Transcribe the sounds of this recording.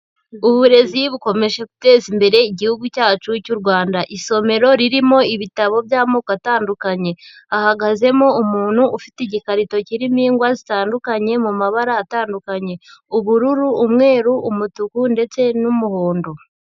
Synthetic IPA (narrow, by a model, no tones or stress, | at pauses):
uβuɾe̞ziβuko̞me̞ʃe̞ku̥te̞ːzimbe̞ɾe̞iɟihuɡucaːt͡ʃucuɾɡwaːndaʔiso̞me̞ɾo̞ɾiɾimo̞iβitaβo̞bjaːmoːkataːndukaɲe̞ | ahaɡaze̞moumuːnhuʔːfiteiɟikaɾito̞ciɾimiːŋɡwazitaːndukaɲe̞mumaβaɾaːtaːndukaɲe̞uβuɾuɾuːmŋe̞ːɾuːmutukunde̞t͡se̞numuhoːndo̞